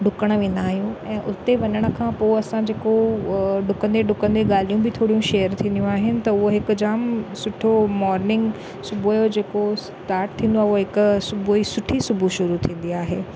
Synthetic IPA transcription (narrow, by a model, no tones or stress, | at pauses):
ɖʊkəɽ̃ʋẽːnd̪aːɦijũɛ̃ːʔʊt̪eʋɐɲəɽ̃ə̆kʰãpoːɐsãd͡ʑeːkoɖʊkə̃nd̪eɖʊkə̃nd̪eɠaːl̤ijũbɪt̪ʰoːɽijũʃeːjəɾt̪ʰĩːnd̪ijũaːɦɪnɪ̆t̪ɐʊɦoɦɪkʊ̆d͡ʑaːmsʊʈʰomɔːɾnɪ̃ŋɡ | sʊbʱujod͡ʑeːkos | ʈaːɾʈ̚t̪ʰĩːn̆d̪oaːoɦɪkʊsʊbuisʊʈʰisʊbʱuʃʊɾut̪ʰĩːn̆d̪iaːɦeː